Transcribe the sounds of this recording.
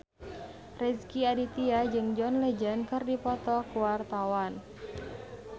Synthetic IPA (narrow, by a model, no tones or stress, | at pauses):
rɛskiadit̪iad͡ʒɨŋd͡ʒɔnled͡ʒankɨrdipɔt̪ɔkuwart̪awan